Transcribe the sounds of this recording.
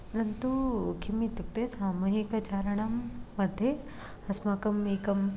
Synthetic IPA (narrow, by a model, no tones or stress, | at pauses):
pɐɾɐnt̪ukimit̪uk̚t̪esaːmuɦikɐt͡ʃaːɾɐɳɐmːɐd̪ʱje | ɐsmaːkɐmeːkɐm